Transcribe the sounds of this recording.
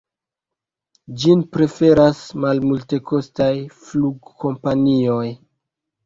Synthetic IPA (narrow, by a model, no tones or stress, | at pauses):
d͡ʒinpɾe̞fe̞ɾasmalmulte̞ko̞stajfluɡko̞mpanio̞j